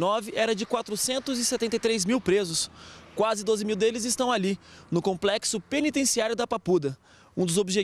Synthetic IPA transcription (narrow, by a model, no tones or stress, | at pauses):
nɔvɪʔɛɾɐd͡ʒɪkwat̪ɾʊsẽnt̪ʊzɪsɛt̪ẽnt̪ejt̪ɾezmiwpɾezʊskwazɪd̪ozɪmiwd̪elɪzɪst̪ɐ̃w̃alinʊkõmplɛksʊpenit̪ẽsiaɾjʊd̪ɐpapud̪ɐ | ũd̪ʊzobiʒe